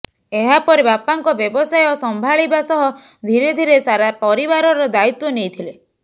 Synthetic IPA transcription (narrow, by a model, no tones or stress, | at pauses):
eɦapɔɾibapaŋkɔbjɔbɔsajɔsɔmbʱaɭibasɔɦɔ | d̪ʱiɾed̪ʱiɾesaɾapɔɾibaɾɔɾɔd̪ait̪wɔnejt̪ʰile